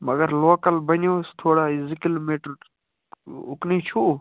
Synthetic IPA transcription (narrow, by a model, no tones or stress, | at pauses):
mɐɡəɾloːkəlbɐnjoːst̪ʰoːɽaɪzikilmeʈ | ʊknit͡ʃʰu